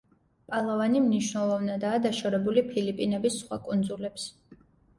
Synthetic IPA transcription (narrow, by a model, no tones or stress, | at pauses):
pʼalˠavanimniʃwnɛlˠɔvnad̪aːd̪aʃɔɾɛbulipʰilipʼinɛbisːχwa̰kʼund̪zulɛps